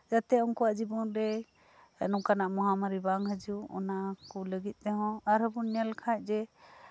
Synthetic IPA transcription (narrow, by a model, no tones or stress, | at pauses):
d͡ʒat̪ɛɔŋkɔwaʔd͡ʒibɔnɾɛ | ɛ̰nɔkanaʔmɔɦamaɾibaŋɦəd͡ʒuɔ̰nakuləɡit̪̚ˀt̪ɛɦɔ̃aɾɦəbunɲalkʰac̚ˀd͡ʒɛ